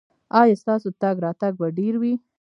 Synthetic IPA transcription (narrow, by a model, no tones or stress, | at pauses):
ɑjɑst̪ɑsoət̪aɡɾɑt̪aɡ̚baɖeɾwi